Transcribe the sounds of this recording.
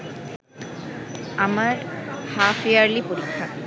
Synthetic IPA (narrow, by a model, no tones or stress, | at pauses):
amaɹhafiaɹlipoɹikʰːa